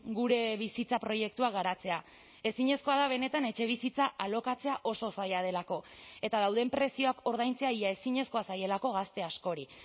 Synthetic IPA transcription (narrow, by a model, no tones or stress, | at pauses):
ɡuɾe̞βisit͡sapɾo̞je̞k̚t̪uaɣaɾat͡se̞a | e̞siɲe̞sko̞aðaβ̞e̞ne̞t̪ane̞t͡ʃe̞β̞isit͡saʔalo̞kat͡seaʔo̞so̞sajað̞e̞lako̞e̞t̪að̞awðe̞mpɾe̞sio̞ako̞ɾð̞ajnt͡se̞aiae̞siɲe̞sko̞asaje̞lako̞ɣ̞ast̪e̞asko̞ɾi